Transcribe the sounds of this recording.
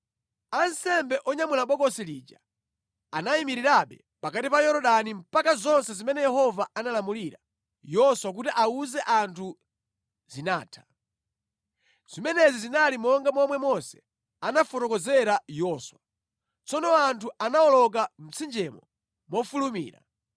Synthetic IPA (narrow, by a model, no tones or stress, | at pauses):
ansɛmbɛʔɔɲamulaɓɔkɔsilid͡ʒa | anaimiɾiɾaɓɛ̰ | pakatipajɔɾɔɗanim̩pakazɔnsɛzimɛnɛjɛhɔvaanalamuliɾa | jɔswak̬utiʔauzɛʔantʰu | zinaːtʰḁ | z̥imɛnɛzizinalimɔŋɡamɔmwɛmɔsɛ̥ | anafɔtɔkɔzɛɾajɔswa | t͡sɔnɔantʰuʔanaɔlɔk̬am̩t͡sʰind͡ʒɛmɔ | mɔfulumḭːɾa̰